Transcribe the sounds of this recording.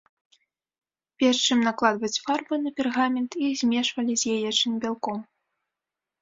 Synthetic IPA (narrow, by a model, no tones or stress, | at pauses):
pʲɛrʂt͡ʂɨmnaklˠad̪vɐt͡sʲfarbɨnɐpʲɛrɣamʲɛnt̪izʲmʲɛʂvɐlʲizʲjajɛt͡ʂɨmʲbʲalˠkɔm